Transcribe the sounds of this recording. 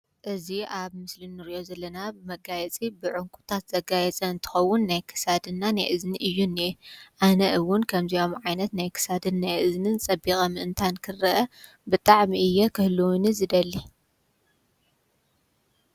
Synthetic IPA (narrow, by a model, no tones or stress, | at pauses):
ʔɨziʔaβmɨslɨnːɨɾiʔo̞zɐlːɐnabɨmɐɡajɛt͡sʼibɨʕʊŋkʷʼu̥t̪ʰat̪z̥ɐɡajɛt͡sʼɐɨnt̪ʰɨ̥xɐwːʊnːajkʰɨ̥sad̪ɨnːanajʔɨzniʔɨjːunːiʔanɐʔɨwʊnkʰɐmzijo̞mʕajnɐt̪najkʰɨ̥sad̪ɨnːajʔɨznɨnt͡sʼɐbixʼɐmɨʔɨnt̪ʰankʰɨrɐʔɐ | bɨt̪ʼaʕmiʔɨjːɛkʰɨhluwnizɨd̪ɐlːi